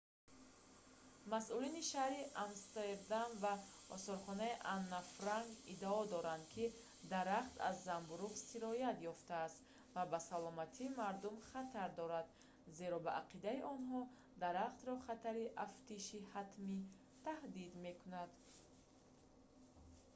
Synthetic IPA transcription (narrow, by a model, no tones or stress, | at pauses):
masuliniʃahɾiʔamst̪eɾd̪amva | ɔ̰sɔɾχɔnaiʔanːafɾaŋɡid̪aɔd̪ɔɾand̪̚kʰi | d̪aɾaχt̪a̰zːambuɾuʁsiɾɔjat̪jɔft̪aːst̪ | vabasalɔmat̪ʰiːmaɾd̪umχat̪ʰaɾd̪ɔɾad̪ | ze̞ɾɔbaʔaqid̪aiʔɔnɦɔ | d̪aɾaχt̪ɾɔχat̪ʰaɾiʔaft̪iʃihat̪mi | t̪ʰahd̪id̪me̞kʰunad̪